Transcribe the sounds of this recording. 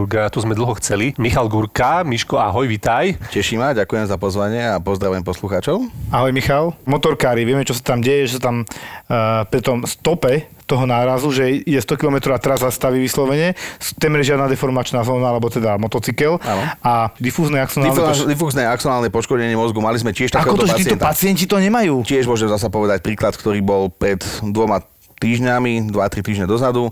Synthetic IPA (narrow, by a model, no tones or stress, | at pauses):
ɾɡat̪uzmɛd̪l̩ˠɦɔxt͡sɛlimixalɡuɾkamiʃkɔaɦɔjʋit̪ajcɛʃimaɟakujɛmzapɔzʋaɲɪɛapɔzd̪ɾaʋɛɛmpɔsluxaːt͡ʃɔʊaɦɔjmixalmɔt̪ɔɾkaːɾiʋɪɛmɛt͡ʃɔsḁt̪amɟɛjɛʒɛsat̪am | pɾit̪ɔmst̪ɔpɛ | t̪ɔɦɔnaːɾazuʒɛijɛst̪ɔkilɔmɛt̪ɾɔat̪ɛɾazːast̪aʋiʋislɔʋɛɲɛst̪ɛmɛɾɛʒɪad̪nad̪ɛfɔɾmat͡ʃnaːzɔːnaalɛbɔt̪ɛd̪amɔt̪ɔt͡sikɛlanɔad̪ifuːznɛaksɔnald̪ifuːznɛaksɔnaːlnɛpɔʃkɔdɲɛɲɪɛmɔzɡumalizmɛcɪɛʃt̪akɛkɔt̪ɔʒɛaːɛɔnt̪pat͡sɪɛncit̪ɔɲɛmajuːcɪɛʒmʊɔʒɛmzas̬ɛpɔʋɛd̪ac̚pɾiːklat̪kt̪ɔɾiːbɔlpɾɛt̪d̪ʋɔma | t̪iːʒɲamid̪ʋat̪ɾit̪iːʒɲɛd̪ɔzad̪u